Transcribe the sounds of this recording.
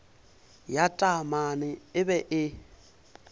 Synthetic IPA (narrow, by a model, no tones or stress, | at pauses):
jatʼamanɪɪβɛʔɪ